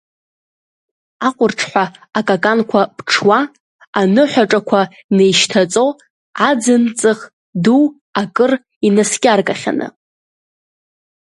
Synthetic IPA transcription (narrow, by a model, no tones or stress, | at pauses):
aqʷʼʊrʈ͡ʂʰħʷaːkʼakʼankʷʰapʈ͡ʂʰwaː | anɨħʷaʈ͡ʂʼakʷʰa | nejʃtʰat͡sʼo | ad͡zɨnt͡sʼɨχ | du | akʼɨr | inaskʲʼarkʼaχʲa̰nɨ̰